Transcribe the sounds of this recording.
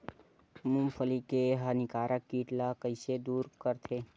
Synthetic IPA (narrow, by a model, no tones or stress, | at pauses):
mũmpʰəlikeɦənɪkaːɾʔəkːiːʈlakəɪsed̪uːɾkəɾt̪ʰeː